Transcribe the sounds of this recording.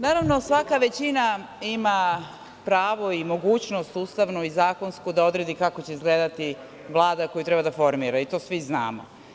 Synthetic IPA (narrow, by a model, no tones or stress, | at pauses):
naːɾaʋno̞sʋakaʋe̞t͡ɕina | ima | pɾaːʋo̞imo̞ɡuːt͡ɕno̞st̪uːst̪aʋnuizaːko̞nskud̪ao̞d̪ɾed̪ikakot͡ɕeizɡleːd̪at̪i | ʋlˠaːd̪ako̞jut̪ɾebad̪afo̞ɾmiɾait̪o̞ːsʋizna̰ːmo̰